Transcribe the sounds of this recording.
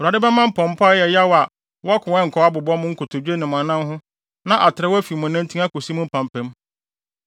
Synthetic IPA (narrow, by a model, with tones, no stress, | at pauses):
a˨dɪ˦bɛ˦mã˦m̩˦pʰɔ̃˨m̩˦pʰa˦jɛ˨ja˦wa˨ | wɔ˦a˦kʰʊ̃˨ɛ̃˦ŋ̩˨kʰɔ˦a˦bʊ˨bɔ˦mʊ̃˦ŋ̩˦kʰʊ˨tʰʊ˨d͡ʑᶣe˦nɪ̃˨mã˨nã˦mɦʊ̃˦ | nã˦ʔa˨tʰɪ˨ɾɛ˦wɔ˦æ˦fi˨mʊ̃˨næ̃˦ntʰĩ˦a˦ko˨si˦mʊ̃˦m̩˦pʰã˨m˨pʰɛ̃˦m